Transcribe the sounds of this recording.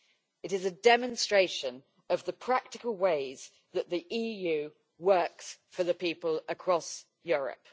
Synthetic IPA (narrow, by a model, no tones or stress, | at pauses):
ɪtɪzədɛmə̃nstɹ̥eɪʃə̃n | əvðəpʰɹ̥ak̚tɪkəlˠweɪz̥ | ðəʔðiʔiːjʉː | wɜˑksfəðəpiˑpələkʰɹ̥ɒs | jɔːɹə̰p̚